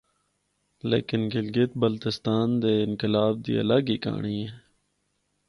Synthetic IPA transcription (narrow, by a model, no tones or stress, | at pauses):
lḛːkɪnɡɪlɡɪt̪̚bəlt̪ɪst̪aːnd̪eːɪnkɪlaːb̚d̪ḭːə̰ləɡiːka̰ːɳiːeː